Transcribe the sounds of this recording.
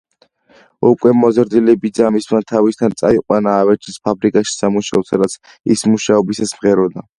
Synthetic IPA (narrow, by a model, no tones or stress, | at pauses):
ukʼwɛmɔzɾd̪ilɛbid̪zamismat̪ʰavist̪ʰant̪sʼaiqʼwanaːvɛɾt͡ʃʰispʰabɾikʼaʃi̥samuʃaɔsad̪at̪sʰ | ḭsmuʃaɔbisasmʁɛɾɔd̪a